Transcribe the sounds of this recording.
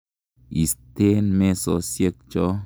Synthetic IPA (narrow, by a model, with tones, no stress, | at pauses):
i˨ste˦nme˦sɔ˦sje˦k̚t͡ʃɔ˦